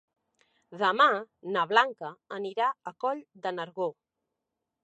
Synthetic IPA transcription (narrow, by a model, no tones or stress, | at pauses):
ðəmanəβlaŋkəəniɾaəkɔʎd̪ənəɾɣo